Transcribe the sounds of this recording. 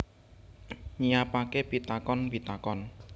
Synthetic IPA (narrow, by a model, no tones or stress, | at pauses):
ɲiapakepit̪akɔnpit̪akɔn